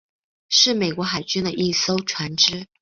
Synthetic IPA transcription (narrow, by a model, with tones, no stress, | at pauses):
ʂɻ̩˥˩me˨˩ɪkwɔ˧˥xa˨˩ɪt͡ɕy˥nd̪ə˨ʔi˥˩so˥ʊʈ͡ʂʰwa˧˥nʈ͡ʂɻ̩˥